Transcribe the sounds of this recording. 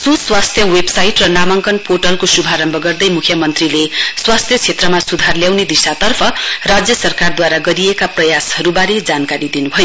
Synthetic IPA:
suswast̪ʰjʌwebsajʈrʌnamʌŋkʌnpʰoʈʌlkosubʱaɾʌmbʱʌɡʌrd̪ʌjmukʰjʌmʌnt̪rileswast̪ʰjʌt͡sʰet̪rʌmasud̪ʱarljawned̪isat̪ʌrpʰʌrad͡zjʌsʌrkard̪waɾaɡʌɾiekaprʌjashʌɾubaɾed͡zankaɾid̪inubʱʌjo

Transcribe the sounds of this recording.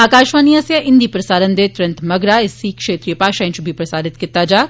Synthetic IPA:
aːkaːʃʋaːniaːsjɐʔɪ̃nd̪iːpɾɐsaːɾənd̪eːt̪ʊɾɐ̃nt̪mɐɡɾaɪsiːkʃeːt̪ɾijəpaːʃaɪ̃nt͡ʃʊbʱipɾɐsaːɾɪt̪kɪt̪ːaːd͡ʒaː

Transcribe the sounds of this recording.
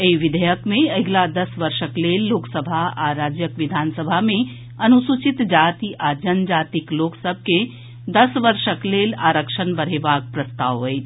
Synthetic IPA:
eiʋɪd̪ʱəjəkmẽɐɡlad̪ɐsʋəɾʃəkleːlːoːksəbʱaaːɾaːd͡ʒjəkʋɪd̪ʱaːnsəbʱamẽ | ɐnusut͡ʃit̪d͡ʒaːt̪iʔaːd͡ʒənd͡ʒaːt̪ikloːksəb̚ʱke | d̪ɐsʋəɾʃəkleːlaːɾəkʃənbɐɽ̤eːbaːk̚pɾəst̪aːʋɦoe

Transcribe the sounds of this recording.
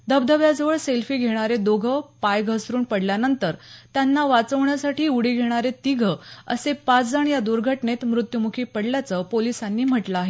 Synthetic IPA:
d̪əbd̪ʱəʋjad͡zəʋəɭselfiːɡʱeɽ̃aɾed̪oɡʱəpajɡʱəsɾuːnpəɽljanənt̪əɾt̪janːaʋat͡səʋɳjasaʈiːuɽiɡʱeɽ̃aɾet̪iɡʱəə̰sepat͡sd͡zəɳjad̪uɾɡʱəʈnet̪mɾut̪jumukʰiːpəɽljat͡səpolisanːiːm̤əʈlaːɦe

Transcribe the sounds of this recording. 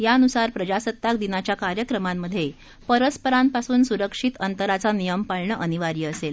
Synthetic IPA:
jaənusaɾpɾəd͡ʑasət̪ːak̚d̪inat͡ɕjakaɾjəkɾəmamːəd̪ʱːje | pəɾəspəɾanpasuːnsuɾəkʂit̪ənt̪əɾat͡sanijəmpaɭɳəʔəniʋaɾiːəsel

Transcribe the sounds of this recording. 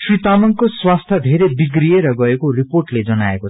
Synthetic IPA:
srit̪amʌŋkoswast̪ʰʌd̪ʱeɾebiɡrieɾʌɡʌekoriporʈled͡zʌnaeko

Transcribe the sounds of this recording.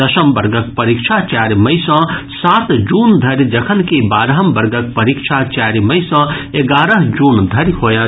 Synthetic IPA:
əsəmbəɾɡək̚pəɾikt͡ʃʰat͡ʃaːɾməjsə̃sat̪d͡ʒund̪ʱɐɾd͡ʒəkʰənkebaːɾɦəmbəɾɡək̚pəɾikt͡ʃʰat͡ʃaɾməjsə̃eɡaːɾəɦd͡ʒuːnd̪ʱɐɾhoja

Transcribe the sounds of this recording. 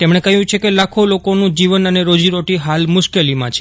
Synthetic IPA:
t̪emɽ̃ekəjũt͡ʃʰekelakʰolokonũd͡ʒiʋənəneɾod͡ʒiɾoʈiɦalmʊʃkelimãt͡ʃʰe̥

